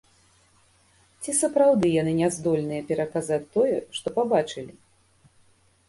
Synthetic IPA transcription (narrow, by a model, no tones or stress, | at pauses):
t͡sʲisɐpɾawd̪ɨjanɨnʲɛzd̪ɔlʲnɨjɐpʲɛɾɐkazat͡sʲt̪ɔjɛʂt̪ɔpabat͡ʂɨlʲi